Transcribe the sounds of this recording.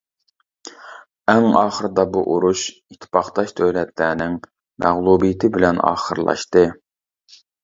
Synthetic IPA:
æŋɑːχəɾɨd̪ɑbuʔoɾuʃit̪ʰːɪ̥pɑχt̪ɑʃd̪øjlɛt̪ʰlæːnɪŋ | mʔæʁlˠubijɪt̪ʰɪbɪlɛnɑ̰ːχə̰ɾlˠɑ̰ʃt̪ɨ

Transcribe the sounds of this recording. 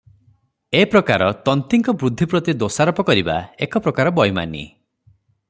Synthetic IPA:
epɾɔkaɾɔt̪ɔnt̪iŋkɔbɾud̪ʱːipɾɔt̪id̪osaɾɔpɔkɔɾiba̰ekɔpɾɔkaɾɔbɔjma̰nḭ

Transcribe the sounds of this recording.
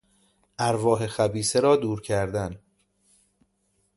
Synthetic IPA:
ʔæɾvɒːɦe̞xæbiːseɾɒːd̪uːɾcʰæɾd̪æn

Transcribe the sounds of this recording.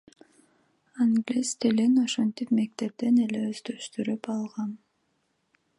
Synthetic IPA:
aŋɡlʲist̪elʲeno̞ʃo̞nt̪ipme̞k̚t̪e̞p̚t̪e̞ne̞le̞øzd̪øʃt̪yɾypɑlˠʁɑn

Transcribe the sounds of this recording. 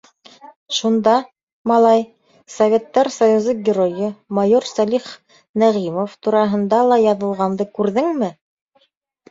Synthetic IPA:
ʃund̪ɑ | mɑlˠɑj | sɐvʲe̞t̪ːɑɾsɐjuzɤɡʲɪrojɤmɑjoɾsɑlʲiχ | næʁimoft̪uɾɑɦɤ̆nd̪ɑlˠɑjɑðɤ̆lˠʁɑnd̪ɤkʉɾðɘŋmɘ

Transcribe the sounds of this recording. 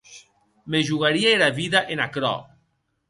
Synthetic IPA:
meʒuɣaɾiaeɾaβiðaʔenakɾɔ̰

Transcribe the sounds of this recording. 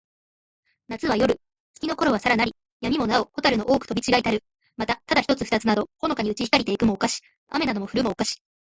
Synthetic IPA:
nat͡sɨβ̞ajo̞ɾɯ̟ | t͡sɨ̥kʲino̞ko̞ɾo̞βasaɾanaɾʲi | jamʲimo̞nao̞ho̞t̪aɾɯ̟no̞ʔo̞ːkɯ̟t̪o̞bʲit͡ɕiɡait̪aɾɯ̟ | mat̪at̪ad̪açi̥t̪o̞t͡sɨɸɯ̟̥t̪at͡sɨnad̪o̞ho̞no̞kaɲ̟iɯ̟t͡ɕiçikaɾʲit̪e̞ikɯ̟mo̞ːkaɕi̥ | a̰me̞nad̪o̞mo̞ɸɯ̟ɾɯ̟mo̞ːkaɕi̥

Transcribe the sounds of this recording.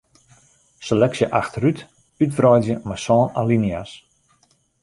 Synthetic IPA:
selɛksjəʔaxtryt | ytfrɔjdjəmasɔːnalinias

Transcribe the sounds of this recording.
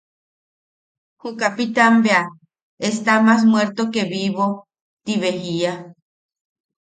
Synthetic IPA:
hukapit̪ambea | est̪amas̬mweɾt̪okeβiβo | t̪iβeɦia

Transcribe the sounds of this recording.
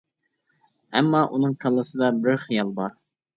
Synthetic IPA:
ɛmːɑʔunɨŋkʰɑlˠːɨsɨd̪ɑbɪɾχijɑlˠbɑɾ

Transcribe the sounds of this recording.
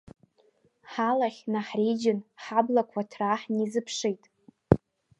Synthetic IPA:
ħalaχʲnaħrid͡ʒɪnħablakʷʰatʰraħnizɨpʰʂijtʼ

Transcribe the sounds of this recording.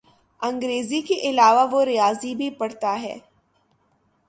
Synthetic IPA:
ɐ̃ŋɡɾeːzikeʔɪlaːʋaʋoɾɪjaːzibʱipɐɽt̪aɦɛ̰ː

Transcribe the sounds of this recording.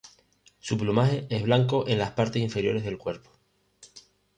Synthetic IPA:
suplumaɦe̞e̞zβlaŋko̞ʔe̞nlaspaɾt̪esiɱfe̞ɾjo̞ɾe̞zðe̞lkwe̞ɾpo̥

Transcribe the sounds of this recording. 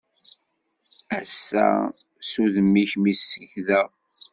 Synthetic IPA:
æsːæ̰ | suðəmːiçmisəçðæ

